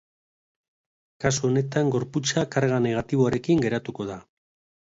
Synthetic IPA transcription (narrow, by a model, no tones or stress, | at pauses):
kasuone̞t̪aŋɡo̞ɾput͡sakaɾɣane̞ɣ̞at̪iβ̞oaɾe̞kiŋɡe̞ɾat̪uko̞ða